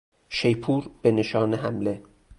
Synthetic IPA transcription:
ʃejpʰuːɾb̥eneʃɒːneɦæmle̞

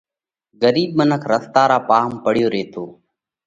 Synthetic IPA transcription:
ɡəɾiːbmənəkʰɾəst̪aːɾaːpaːɦmpəɽɪjoːɾeːt̪ʰoː

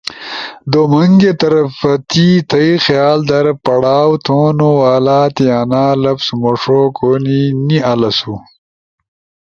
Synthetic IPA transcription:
d̪omɐŋɡet̪ɐɾɐfɐt̪it̪ʰɐixjaːld̪ɐɾpɐɽaːwt̪ʰoːnowaːlaːt̪ianaːlɐpsmoʂokoninialɐsu

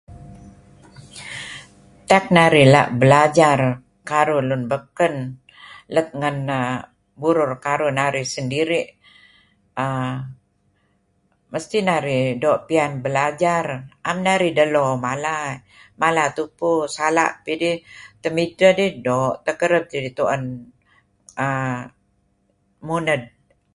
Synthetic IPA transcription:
t̪ak̚naɾila̰ʔbəlad͡ʒar | kaɾʊlʊnbəkən | lət̪̚ŋənə | buɾʊrkaɾʊnaɾisəndiɾiʔ | ə | məst̪inaɾidɔʔpianbəlad͡ʒarʔamnaɾidəlomala | malat̪upʊsala̰ʔpidit̪əmitədidɔʔt̪əkəɾəp̚d͡ʒadit̪uʔən | ə | munəd̚

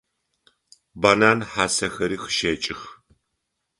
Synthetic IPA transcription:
baːnaːnħaːsɐxɐɾiːxə̥ʃeːt͡ʃʼɪx

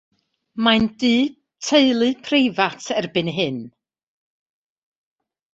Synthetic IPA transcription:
majndiː | tʰeɨlˠɨpʰrejvatʰɛrbɨnɦɨn

